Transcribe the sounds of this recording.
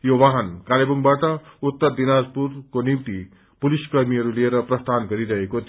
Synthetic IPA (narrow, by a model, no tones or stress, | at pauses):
joʋaɦankalebuŋbaʈʌut̪ːʌɾd̪inad͡zpuɾkonimt̪i | puliskʌɾmiʌɾulieɾʌpɾʌst̪ʰanɡʌɾiɾʌɦekot̪